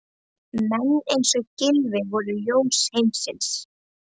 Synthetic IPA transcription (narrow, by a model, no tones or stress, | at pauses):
mɛnːejnsɔɣcɪlvɪvɔɾðʏjoːwshejmsɪns